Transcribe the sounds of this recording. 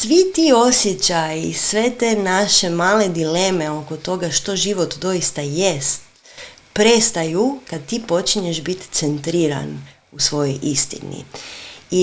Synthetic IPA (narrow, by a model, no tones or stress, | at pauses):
sʋit̪io̞sjet͡ɕajisʋe̞t̪enaʃemaːle̞d̪ile̞ːme̞o̞ko̞t̪o̞ɡaʃt̪o̞ʒiʋot̪d̪o̞ist̪ajest̪ | pɾest̪ajukad̪̚t̪ipo̞t͡ʃiɲeʒbit̪t̪sent̪ɾiːɾa̰n | usʋo̞jo̞jʔist̪ḭnḭi